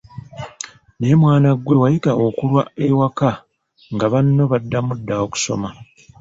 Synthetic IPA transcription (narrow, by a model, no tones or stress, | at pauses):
ne̞mwaːnaɡwe̞wajikaʔo̞kulwa̰ewaka | ŋɡaβanːo̞βadːamudːaoku̥so̞̰ma